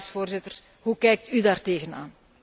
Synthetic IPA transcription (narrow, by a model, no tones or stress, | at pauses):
sfoːrzɪtər | ɦukɛjk̚tydaːrteːɣəna̰ːn